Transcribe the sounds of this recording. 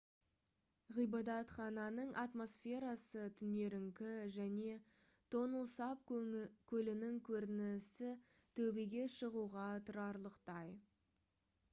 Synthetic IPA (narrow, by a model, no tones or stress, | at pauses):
ʁijbɑd̪ɑt̪χɑnɑnəɴʔɑt̪mo̞sfe̞ɾɑsət̪ʰʏne̞ɾɪŋkʲɪʒæne̞ | t̪ʰo̞nəlˠsɑpkʲʰɵlɪnɪŋkʲʰɵɾɪnɪsɪ | t̪ʰɵbeɡʲe̞ʃəʁuʁɑt̪ʰʊɾɑɾlˠəqt̪ɑj